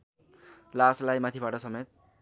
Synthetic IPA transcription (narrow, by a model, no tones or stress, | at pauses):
laslajmat̪ʰibaʈʌsʌmet̪̚